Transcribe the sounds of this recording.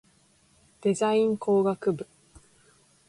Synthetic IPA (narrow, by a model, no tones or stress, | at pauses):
d̪̥e̞zaĩŋko̞ːɡakɯ̟bɯ̟